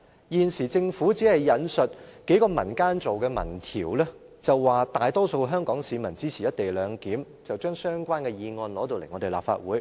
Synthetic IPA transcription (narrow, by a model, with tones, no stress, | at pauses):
jiː˨nsiː˨˩t͡sɪ˧ŋfu˨˥t͡siː˨˥hɐ˨jːɐ˨˧nsɵ˨t̚ke˨˥jkɔː˧mɐ̰˨˩nkaː˥nt͡so˨wkɛː˧mɐ̰˨˩nt̪ʰḭː˨˩wlɛː˥ | t͡sɐ˨wːaː˨˩t̪aː˨jt̪ɔː˥so˧wɦœː˥ŋkɔː˨˥ŋsiː˨˧˥mɐ˨˩nt͡siː˥sʰiː˨˩jɐ˥t̚t̪e˨jlœː˨˧ŋkiː˨˥m | t͡sɐ˨wt͡ʃœː˥ŋsœː˥ŋkʷaː˥nkɛː˧jiː˧ŋɔː˧nlɔː˨˥t̪o˧wle˨˩jŋɔ˨˧t̪e˨˩la̰ː˨p̚fa̰ː˧t̚wuː˨˥j